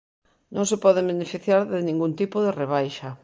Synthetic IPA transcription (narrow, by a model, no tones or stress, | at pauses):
nõŋsepɔðebenefiθjaɾðenĩŋɡunt̪ipoðereβ̞ajʃa